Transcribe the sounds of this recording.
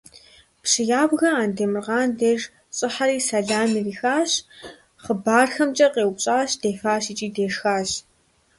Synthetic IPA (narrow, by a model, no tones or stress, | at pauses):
pɕɪjaːbɣɐaːndeːmɨrʁɑːndeːʐ | t͡sʼɨħaɾiːsɐɮaːmiriːxaːɕ | χəbaːrxɐmt͡ʃʼɐqʼeːwpɕʼaːɕd̥eːfaːɕiːt͡ʃʼiːdeːʂxaːɕ